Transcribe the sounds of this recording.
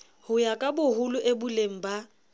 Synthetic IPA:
hʊjakʼabʊɦʊlʊʔebʊleŋ̩ba

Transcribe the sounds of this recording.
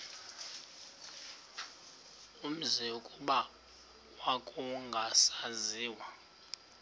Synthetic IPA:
um̩zɛukʼuɓa | wakʼuŋɡʱasaziːwa

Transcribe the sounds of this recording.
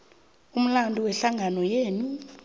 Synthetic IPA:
um̩landʱʼuwɛɬaŋɡʱanɔjeːnu

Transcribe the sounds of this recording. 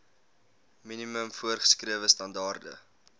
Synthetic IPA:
miniməmfuərχə̥skriəvəstɐndɑːrdə̰

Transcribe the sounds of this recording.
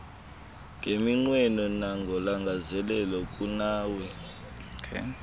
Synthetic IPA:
ŋɡʱemiŋ͡ǀwɛnɔnaŋɡʱɔlaŋɡʱazɛlɛlɔkʼunaːwɛ

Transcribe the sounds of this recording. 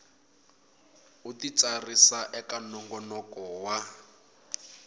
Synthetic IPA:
utit͡sarisaʔɛkanɔŋɡɔnɔkɔwa

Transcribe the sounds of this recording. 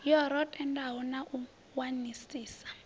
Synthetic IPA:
jɔɾɔtʰʼɛndaɦɔnaʔu | wanisiːsḁ

